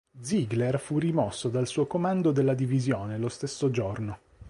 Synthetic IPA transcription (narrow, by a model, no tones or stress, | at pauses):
d̪ziɡlerfurimɔsːod̪alsuːokomand̪od̪elːad̪ivizjoːnelost̪esːod͡ʒorno